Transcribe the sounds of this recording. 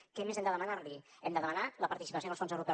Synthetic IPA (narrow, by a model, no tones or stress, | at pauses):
kɛmezɛmd̪əðəmənarliɛmd̪əðəmənaləpɐɾt̪isipəsjoəsfonzəwɾupɛ